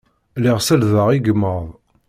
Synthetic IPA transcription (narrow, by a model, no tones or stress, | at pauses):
liʁsælðəʁiɡəmːəɾˤðˤ